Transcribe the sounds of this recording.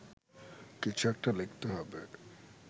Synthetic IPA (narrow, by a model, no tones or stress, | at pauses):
kit͡ɕʰuɛk̚ʈalekt̪eɦɔbe